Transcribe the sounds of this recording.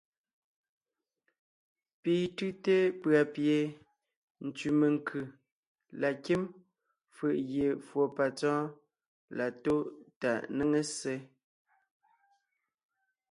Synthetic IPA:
piː˨tʉ˦te˦pɰa˨pje˨ | n̩˨tʉ˨me˨ŋ˨kʰʉ˨ | la˨ki˦m | fʉ˨ʔɣje˨fwo˨pa˨t͡sɔ̃ː˦ | la˨to˦ta˨ʔne˦ŋe˦se˦

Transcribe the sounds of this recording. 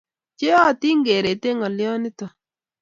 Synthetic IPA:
t͡ʃe˦ɔ˦˨ti˦ŋɡe˨ɾe˨te˦ŋɔ˨ljɔ˦nɪ˦tɔ˨

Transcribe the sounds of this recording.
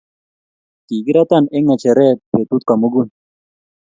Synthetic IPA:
t̪i˨ɡiɾat̪ane˦ŋɐ˨t͡ɕʰe˨ɾe˦pe˨t̪ut̪̚ka˨muɡun

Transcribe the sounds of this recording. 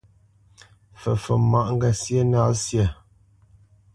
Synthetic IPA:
fə˨fə˨ma˦˨ʔŋ̩˦ɡa˨sjə˦na˦sjə˨

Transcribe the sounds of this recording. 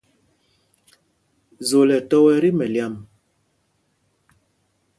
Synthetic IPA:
zo˨lɛ˨tɔ˦wɛ˦ɾi˦mɛ˨lja˦˨m

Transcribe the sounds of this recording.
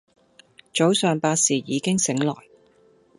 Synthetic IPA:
t͡ʃo˨˥wsœː˨ŋpaː˧tsiː˨˩jiː˨˧kɪ˥ŋsɪ˨˥ŋlɔ̰ː˨˩j

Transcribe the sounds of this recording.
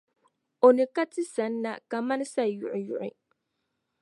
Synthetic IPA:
o˨nɨ˨ka˦tɪ˦sa˨˦n̩ː˦a̰˦ka˨ma˦n˦sa˦˨jʊ̰˨ʔʊ˨jʊ˨ʔɪ̰˨

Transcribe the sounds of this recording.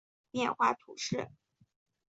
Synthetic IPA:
pjɛ˥˧nxwa̰˥˩t̪ʰṵ˨˩ʂɻ̩˥˩

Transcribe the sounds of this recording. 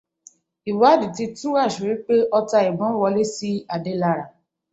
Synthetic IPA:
i˨wa˨˦˨di˨ti˧tũ˦ɾa˦˨ʃu˨ɾi˨˦k͡pe˦ʔɔ˧ta˧i˨bɔ̃˨˦wɔ˧le˦si˦a˨de˦la˧ɾa˨

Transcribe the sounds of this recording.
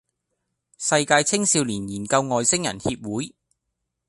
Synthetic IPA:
sɐ˧jkaː˧jt͡sʰɪ˥ŋsiː˧wliː˨˩njiː˨˩nkɐ˧wŋɔː˨˧jsɪ˥ŋjɐ̰˨˩nhiː˧p̚wuː˨˥j

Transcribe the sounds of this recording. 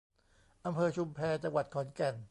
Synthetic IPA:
ʔa˧mpʰɤː˧t͡ɕʰu˧mpʰɛː˧t͡ɕa˧ŋwa˨˩t̪̚kʰɔː˩˦nkɛ˨˩n

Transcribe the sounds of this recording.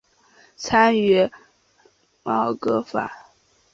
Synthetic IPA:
t͡sʰa˥nɥɛ˥ | mɑ˥˩ʊkɤ˥fa̰˨˩˦

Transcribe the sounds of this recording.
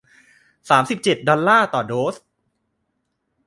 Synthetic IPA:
saː˩˦msi˨˩p̚t͡ɕe˨˩t̪̚dɔ˧lːaː˥˩t̪ɔː˨˩doː˦˥s

